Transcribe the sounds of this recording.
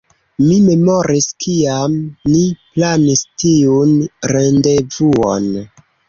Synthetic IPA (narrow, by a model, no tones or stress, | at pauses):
mime̞moɾiskʰiamniplanistiunɾendevuo̰n